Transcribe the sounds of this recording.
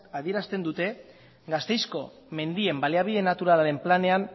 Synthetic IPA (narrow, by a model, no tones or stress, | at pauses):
aðie̞ɾast̪e̞nd̪ut̪e̞ | ɡast̪e̞jsko̞ | me̞nd̪ie̞mbaliaβ̞iðe̞nat̪uɾalaɾe̞mplane̞an